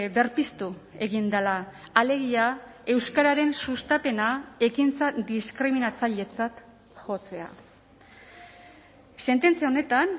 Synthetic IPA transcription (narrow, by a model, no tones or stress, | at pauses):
βe̞ɾpist̪ue̞ɣind̪alaː | le̞ɣiae̞wskaɾaɾe̞nsust̪ape̞nae̞kint͡sad̪iskɾiminat͡saʎe̞t͡sat̪ | xo̞t͡se̞a̰ | se̞nt̪e̞nt͡sijao̞ne̞t̪an